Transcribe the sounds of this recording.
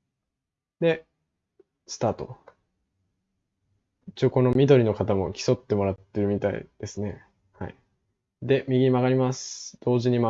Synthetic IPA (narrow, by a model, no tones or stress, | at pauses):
d̪e̞ | sɨ̥t̪aːt̪o̞̰ | it͡ɕioko̞no̞mʲid̪oɾʲino̞kat̪amo̞kʲi̥so̞t̪ːe̞mo̞ɾat̪ːe̞ɾɯ̟mʲit̪aḭd̪̥e̞sɨne̞ | haḭ | d̪e̞mʲiɡʲimaɡaɾʲimasɨ̥d̪̥o̞ːʑiɲ̟ima